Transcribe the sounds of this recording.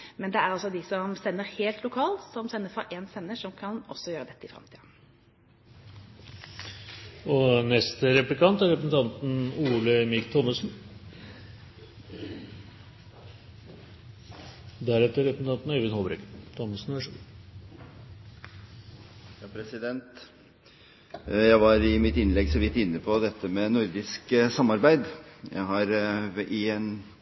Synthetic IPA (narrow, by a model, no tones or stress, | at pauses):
mɛnd̪ɛæɾɑlsɔd̪ɪsɔmsɛnːəɾheːlt̪lʊkʰɑːlsɔmsɛnːəfɔɾʔensɛnːəʂɔmkʰɑnɔ̰sːɔjøːɾəd̪ɛt̪ːəɪfɾɑ̰mt̪ʰiːd̪ən | ɔnɛst̪əɾɛplɪkɑnt̪æɾɛpɾəsn̩t̪ʰɑnt̪n̩uːləmɪkt̪ʰɔmːəsn | d̪æɾɛt̪ːəɾɛpɾsn̩t̪ɑnt̪neʋɪnhɔːbɾɛkt̪ʰɔməsn̩æʂə | jɑpʰɾɛsɪd̪ɛnt̪ | jæɪʋɑɾɪmɪt̪ɪnlɛɡsɔʋɪt̪ːɪnːəpʰɔd̪ɛt̪ːəmɛnʊɾd̪ɪsksɑmɑɾbæɪd̪jæ̰ɪɦɑɾɪɛn